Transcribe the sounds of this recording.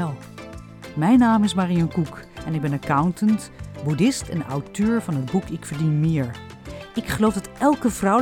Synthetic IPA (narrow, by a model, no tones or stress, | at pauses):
ɛlˠ | mɛjnaːmɪsmaːriɔŋkukɛnɪɡ̚bɛnakawntənt | budɪstɛnɔ̰wtøːɹvɑnɦəd̚bukɪkfəɹdinmɪːɹ | ɪkχəlowfdɑtɛlˠkəvrɔw